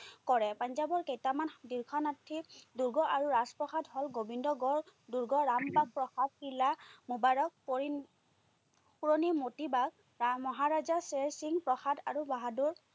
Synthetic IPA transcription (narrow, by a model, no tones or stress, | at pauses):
kɔɹɛpaɲzabɔɹkejtamandiɹkʰɔnatʰːiduɹɡɔʔaɹuɹaspɹɔxadɦɔlɡobindɔɡɔɹduɹɡɔɹambak̚pɹɔxad̚kilamubaɹɔk̚i | puɹonimotibaɡ̚ | mɔɦaɹazaseɹsiŋpɹɔxada̰ɹubaɦaduɹ